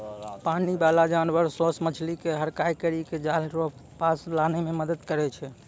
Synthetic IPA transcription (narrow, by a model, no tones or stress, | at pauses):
panibalad͡ʒanbəɾsosmət͡ʃʰlikeɦəɾkajkəɾiked͡ʒalɾopaslanememəd̪əd̪kəɾɛt͡ʃʰɛ